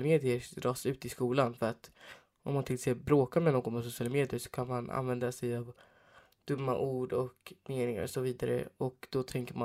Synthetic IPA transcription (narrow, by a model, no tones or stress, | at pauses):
lameːd̪ɪədɾɑːsʉ̟ːt̪ɪskuːlanfœɾat̪ | ʔɔ̰mːant̪ʰɪlseːbɾoːkaɾmɛnoːɡɔnpʰɔs̬ʊsɪjɑːlameːd̪ɪəʂɔ̥kʰanmana̰nvɛnd̪asɛjav | d̪̥ɵmːa̰ʔuːɖɔkmeːnɪŋa̰ɾsɔviːd̪aɾə̰ɔkd̪̥ɔt̪ʰɛŋkəma